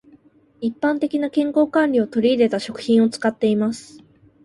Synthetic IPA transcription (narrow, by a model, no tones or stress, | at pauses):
ipːãnt̪e̞kʲinakẽ̞ŋko̞ːkãnʲɾʲio̞t̪o̞ɾʲiːd̪e̞t̪aɕo̞kɯ̟̥çĩɰ̃o̞t͡sɨ̥kat̪ːe̞imasɨ̥